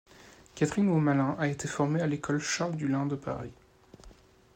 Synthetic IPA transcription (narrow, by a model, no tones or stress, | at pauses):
kʲat̪χinomalɛ̃ʔaet̪ʰefɔʁmealekʰɔlʃald̪ylɛ̃d̪əpa̰ʁi